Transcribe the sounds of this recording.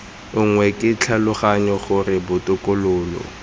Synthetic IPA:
ʊŋwɛkʼɪt͡ɬʰalʊχaɲɔχʊrɪbʊtʊkʊlʊːlɔ̰

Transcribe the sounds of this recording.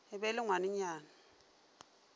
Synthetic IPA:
ɪbɛlɪŋwanɪɲaːna

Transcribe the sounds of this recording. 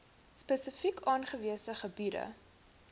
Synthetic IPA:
spəsəfikʰɑːnχəviəsəχəbidə̰

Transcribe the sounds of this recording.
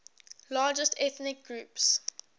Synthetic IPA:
lɑːd͡ʒəstɛθnɪk̚ɡ̥ɹuːps

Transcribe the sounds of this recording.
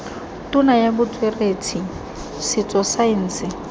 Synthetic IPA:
tʊnajabʊt͡sʼwereːt͡sʰi | sɪt͡sʼɔsaɪn̩ːsɪ

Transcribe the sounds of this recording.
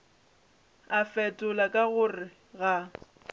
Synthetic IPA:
afɛtʼʊlakʼaɣʊrɪ | ɣa

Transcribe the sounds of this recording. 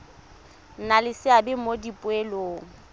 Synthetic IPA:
n̩nalɪsɪabɪmodipʼʊeloːŋ̩

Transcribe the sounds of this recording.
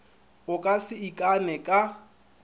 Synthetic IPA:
ʊkʼasɪikʼanɛkʼa

